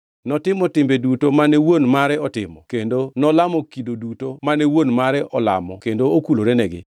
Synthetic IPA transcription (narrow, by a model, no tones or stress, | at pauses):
nɔtɪmɔtɪmbedutomanɛwonmaɾɛɔtɪmɔkendonɔlamɔkidodutomanɛwonmaɾɛʔɔla̰mɔkendookuloɾenɛɡɪ̰